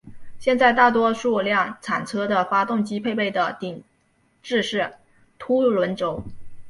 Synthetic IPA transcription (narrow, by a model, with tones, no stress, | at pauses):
ɕjɛ˥˧nt͡sa˥˧ɪt̪a˥˩t̪wɔ˥ʂu˥˧ljɑ˥˩ŋt͡sʰa˨˩nt͡sʰɤ˥d̪ə˨fa˥t̪ʊ˥˩ŋt͡ɕi˥pʰe˥˧ɪpe˥˩ɪd̪ə˩t̪i˨˩ŋ | ʈ͡ʂɻ̩˥˧ʂɻ̩˥˩ | t̪ʰu˥lwə˧˥nʈ͡ʂo˧˥ʊ